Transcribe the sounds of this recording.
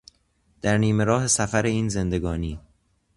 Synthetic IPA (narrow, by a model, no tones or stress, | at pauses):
d̪̥æɾniːme̞ɾɒːɦesæfæɾe̞iːnze̞nd̪e̞ɡɒːniː